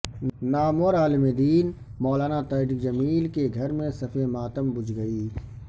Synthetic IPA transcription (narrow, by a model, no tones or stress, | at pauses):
naːmoɾaːlɪmed̪iːnmɔːlaːnat̪ɐːɖikd͡ʒɐmiːlkeɡʱɐɾmẽsɐfʰẽmaːt̪əmbʊd͡ʒɡɐiː